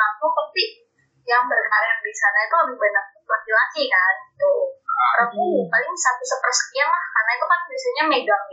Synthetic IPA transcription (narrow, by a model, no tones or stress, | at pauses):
ampʊŋpət̪i | jaŋbərkaɾian̚disanait̪uabɪhbenak̚utlakilakikanit̪uəɾəpupalɪŋsat̪usəpərsə̥kianlahkarnait̪ukanbasaɲameduaŋ